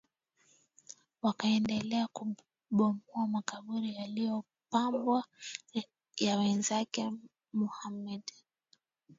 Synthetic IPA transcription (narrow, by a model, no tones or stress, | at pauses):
wakaɛndɛlɛaku | ɓɔmuamakaɓuɾijalijɔ | pambwa | jawɛnzakɛ | muhamɛɗ